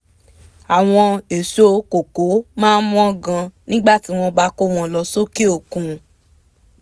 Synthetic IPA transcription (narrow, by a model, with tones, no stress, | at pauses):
a˨w̃ɔ̃˧e˨so˦ko˨ko˨˦mãː˦mũ˦ɔ̃˦ɡã˧nĩ˦ɡ͡ba˦˨ti˨˦w̃ɔ̃˧ba˦ko˦˨w̃ɔ̃˧lɔ˧so˦ki˦o˦˨kũ˨